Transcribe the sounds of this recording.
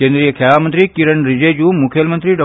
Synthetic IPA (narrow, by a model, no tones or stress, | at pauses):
kẽːnd̪ɾijəkʰelamənt̪ɾikiɾəɳɾɪd͡ʑed͡ʒuːmʊkʰelmə̃nt̪ɾiɖɔ